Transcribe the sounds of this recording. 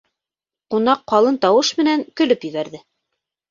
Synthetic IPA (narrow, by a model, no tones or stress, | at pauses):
qunɑqːɑlˠɤnt̪ɑwɤʃmɘ̆næŋkɵ̆lɵpjɵ̆βæɾðɘ